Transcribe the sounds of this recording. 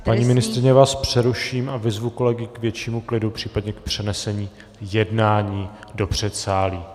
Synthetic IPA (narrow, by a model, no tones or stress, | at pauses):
paɲiːmɪnɪst̪ɾɪɲɛvaːspr̝̥ɛɾuʃiːmʔavɪzvuko̞lɛɡɪkvjɛt͡ʃiːmuklɪdupr̥iːpadɲɛkpr̥ɛnɛsɛɲiː | jɛdnaːɲiːdo̞pr̝̥ɛt̪saːliː